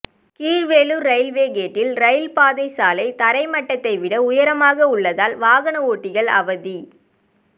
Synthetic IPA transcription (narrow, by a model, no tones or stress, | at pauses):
kiːɾʋeːluɾɐɪlʋeːɣeːʈːɪlɾɐɪɪlpaːðɐɪsaːlɐɪt̪ɐɾɐɪmɐʈːɐt̪ːɐɪʋɪɽɐʊjɐɾɐmaːɣɐʊɭːɐðaːlʋaːɣɐnɐoːʈːɪɣɐɭɐ̰ʋɐði